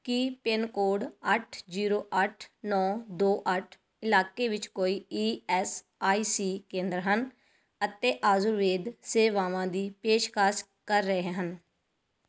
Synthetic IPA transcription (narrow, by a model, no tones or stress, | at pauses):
kipɪnkoːɖəʈʰziːɾoːʔəʈʰnɔːd̪oːʔəʈʰ | ɪlaːkeːʋɪt͡ʃkoːiːiːɛːs | aːiːsiːkẽːnd̪ɾɦən | ət̪eːʔaːzʊɾʋeːd̪seːʋaːʋãːd̪iːpeːʃkaːs | kəɾːəeɦeːɦən